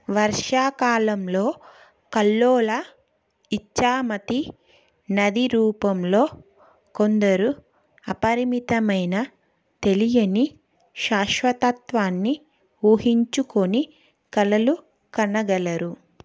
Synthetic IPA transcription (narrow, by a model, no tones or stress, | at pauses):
ʋɐɾʂaːkaːlɐmlo̞ː | kɐlːoːlɐ | it͡ʃːaːmɐt̪i | nɐd̪iɾuːpɐmlo̞ː | ko̞nd̪ɐɾu | ɐpɐɾimit̪ɐmɐjnɐ | t̪e̞lijɐni | ʃaːʃʋɐt̪ɐt̪ʋaːnːi | uːɦiɲt͡ʃuko̞ni | kɐlɐlu | kɐnɐɡɐlɐɾu